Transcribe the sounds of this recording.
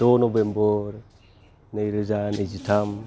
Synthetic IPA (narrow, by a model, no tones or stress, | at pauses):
onobemboɾe | neiɾezaned͡ʒitam